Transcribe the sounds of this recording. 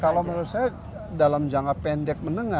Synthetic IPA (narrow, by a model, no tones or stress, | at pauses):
kalawməɾusaja | dalamd͡ʒaŋapɛndɛk̚mənəŋa